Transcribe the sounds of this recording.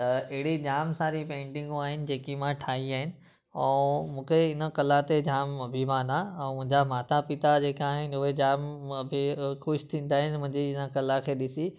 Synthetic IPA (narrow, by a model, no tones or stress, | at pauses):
t̪ɐɪɦɪɽid͡ʑaːmsaːɾipẽːɳʈɪ̃ŋɡuaːɦɪnɪ̆d͡ʑeːkimãʈʰaːɦiaːɦɪnɪ̆ | ɛ̃ːmũːkʰeɪnə̆kɐlãt̪ed͡ʑaːmɐbʱimãːnaɛ̃ːmʊ̃ɦɪ̃ɲd͡ʑamaːt̪apɪt̪ad͡ʑeːkaːɦɪnɪ̆ʊɦed͡ʑaːmbʱixʊʃt̪ʰĩːn̆d̪aːɦɪnɪmʊ̃ɦɪ̃ɲd͡ʑiɪnəkɐlakʰeːɗɪsi